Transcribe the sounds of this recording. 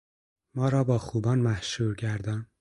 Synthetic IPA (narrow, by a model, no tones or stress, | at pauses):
mɒːɾɒːbɒːxuːbɒːnmæhʃuːɾcæɾd̪ɒn